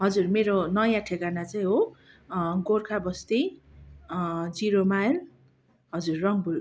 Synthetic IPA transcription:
ɦʌd͡zurmeɾonʌjãʈʰekanat͡saĩɦo | ɡorkʰabʌst̪i | d͡ziɾomajl | ɦʌd͡zurːʌŋbul

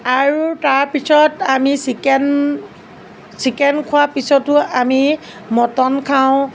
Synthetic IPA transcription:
aɹutaɹpisɔtamisikɛn | sikɛnkʰʊapisɔtʊami | mɔtɔnkʰãʊ̃

